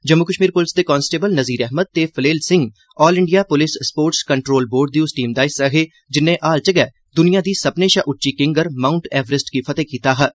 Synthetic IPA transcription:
d͡ʒəmːukəʃmiːɾpʊlɪsd̪eːkɔːnsʈeːbəlnəziːɾɛɦməd̪̚t̪eːpʰəleːlsɪ̃ŋɡ | ɔːlɪɳɖijaːpʊlɪsːpoːɾʈskəɳʈɾoːlboːɾɖ̚d̪iːʊsʈiːmd̪aːɪsəɦeː | d͡ʒɪnːẽːʔaːlt͡ʃəɡɛː | d̪ʊnijãːd̪iːsəpneːʃaːʔʊʈːʃiːkɪ̃ŋɡəɾmaːʊɳʈɛːʋɾɪsʈkipʰət̪eːkiːt̪aːɦɛː

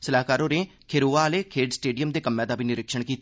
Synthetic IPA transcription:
səlaːkaːɾõːɾẽːkʰeɾoːaːleːkʰeːɖsʈeːɖijəmd̪eːkəmːɛ̃ːd̪aːbʱiːnɪɾɪkʃəɳkiːt̪

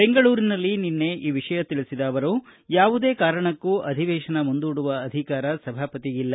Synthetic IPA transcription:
beŋɡɐɭuːɾinɐlːininːe̞ʔiːʋiʂɐjɐt̪iɭisid̪aːʋɐɾujaːʋud̪e̞ːkaːɾɐɳɐkːuʔɐd̪ʱiʋɛːʃɐnɐmund̪uːɽuʋɐːd̪ʱikaːɾɐsɐbʱaːpɐt̪iɡilːɐ

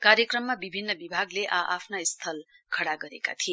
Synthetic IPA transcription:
kaɾjʌkrʌmːabibʱinːʌbibʱaɡleʔaʔapʰnaist̪ʰʌl | kʰʌɽaɡʌɾeka̰t̪ʰie

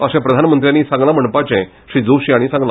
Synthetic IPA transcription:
əsɛ̃pɾəd̪ʱanmənt̪ɾjanːiːsãŋɡlam̤əɳpat͡ɕɛ̃ | ɕɾiːd͡zoɕiaɽ̃isãŋɡla

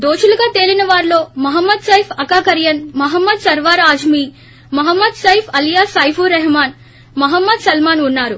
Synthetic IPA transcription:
d̪oːt͡ʃulɐɡaːt̪eːlinɐʋaːɾlo̞ːmɐɦɐmːɐd̪sɐjfʰɐkaːkɐɾjɐnmɐɦɐmːɐd̪sɐɾʋaːɾaːd͡ʒmiː | mɐɦɐmːɐd̪sɐjfʰɐljaːsaːjpʰuɾɛɦmaːn | mɐɦɐmːɐd̪sɐlmaːnunːaːɾu

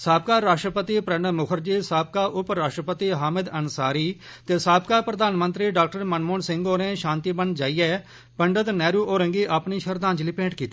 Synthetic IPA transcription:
saːbkaːɾaːʃʈɾəpət̪iːpɾəɳəmʊkʰəɾd͡ʒiːsaːb̚kaːʔʊpɾaːʃʈɾəpət̪iːɦaːmɪd̪ənsaːɾiː | t̪eːsaːb̚kaːpɾəd̪aːnmənt̪ɾiːɖaːk̚ʈəɾmənmoːnsɪ̃ŋɡoːɾẽːʃãːnt̪iːbənd͡ʒaːiːɛː | pəɳɖəd̪nɛːɾuːʔoːɾẽŋɡiːʔaːpniːʃəɾd̪ãːnd͡ʒliːpẽːɳʈkiːt̪iː

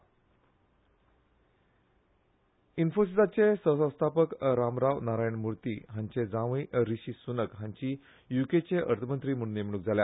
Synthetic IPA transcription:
infosisat͡sesə̃wsə̃w̃st̪ʰapəkɾamɾaʋnaɾajɳmuɾt̪iːɦaɲt͡ɕed͡zãʋiɾiɕiːsunəkɦãɲt͡ɕiː | juket͡ɕeʔəɾt̪ʰəmənt̪ɾiːməɽ̃ũnem̤əɽuk̚d͡zʱalja

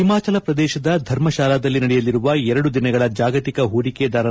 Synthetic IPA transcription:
imaːt͡ʃɐlɐpɾɐd̪ɛːʃɐd̪ɐd̪ʱɐɾmɐʃaːlaːd̪ɐlːinɐɽɛjɐlːiɾuʋɐɛɾɐɽud̪inɐɡɐɭɐd͡ʒaːɡɐt̪ikɐɦuːɾiked̪aːɾɐ

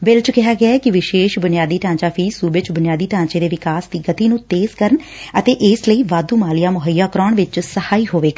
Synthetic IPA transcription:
bɪlt͡ʃkɪɦaːɡɪaːɛːkɪʋɪʃeːʃbʊnɪjaːd̪iːʈ̪ãːt͡ʃaːpʰiːsuːbet͡ʃbʊnɪjaːd̪iːʈ̪ãːɲt͡ʃeːd̪eːʋɪkaːsd̪iːɡət̪iːnũːt̪eːzkəɾən | ət̪eːʔɪsləiːʋaːd̪uːmaːlɪjaːmʊɦəjːaːkɾɔːɳʋɪt͡ʃsəhaːiːɦoːʋeːɡa

